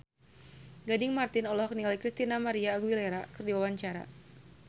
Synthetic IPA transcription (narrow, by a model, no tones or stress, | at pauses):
ɡadɪŋmart̪ɪnɔlɔɦɔk̚niŋalikɾist̪inamaɾiaːɡuileɾakɨrdiwawaɲt͡ʃaɾa̰